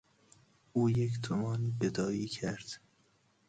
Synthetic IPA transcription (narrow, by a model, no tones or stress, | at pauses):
ʔuːjekt̪ʰomɒːnbed̪ɒːiːcʰæɾd̪̥